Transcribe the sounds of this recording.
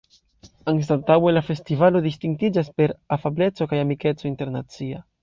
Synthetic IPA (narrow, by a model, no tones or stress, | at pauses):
aŋs̬tatawelafe̞stivalo̞dist̪iŋɡ̚tid͡ʒaspe̞ɾafable̞t͡so̞kajamike̞t͡sointe̞ɾnat͡sia̰